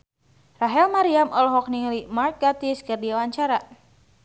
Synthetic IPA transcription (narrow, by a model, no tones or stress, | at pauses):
raɦɛlmaɾiamʔɔlɦɔk̚nilimark̚ɡat̪iskɨrdiawaɲt͡ʃaɾa